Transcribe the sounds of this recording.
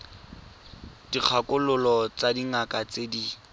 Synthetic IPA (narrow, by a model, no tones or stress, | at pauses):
d̥ik͡xʰakʊlʊlɔt͡sadiŋakat͡sedi